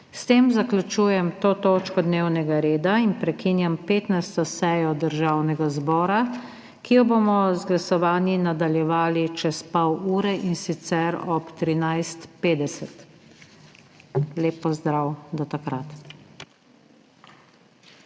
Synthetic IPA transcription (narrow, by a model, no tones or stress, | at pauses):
st̪eːmzaklʲjut͡ʃuːjɛmt̪oːt̪oːt͡ʃkɔd̪newnɛɡaɾeːd̪ainpɾɛkinjampeːt̪najst̪ɔsɛjɔd̪əɾʒawnɛɡazbɔːɾa | kijɔbomɔzɡlasɔʋaːnjinad̪aljɛʋaːlit͡ʃɛspawuːɾɛʔinsit̪sɛɾɔpt̪ɾinajst̪peːd̪ɛsɛt̪ | leːpːɔzd̪ɾawd̪ɔt̪akɾat̪